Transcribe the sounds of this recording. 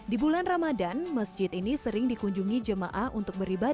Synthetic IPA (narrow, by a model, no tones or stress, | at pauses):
dibulanramadanmasd͡ʒɪt̪inisəɾɪŋdikuɲd͡ʒuŋid͡ʒəma̰ʔahunt̪ʊk̚bəɾiba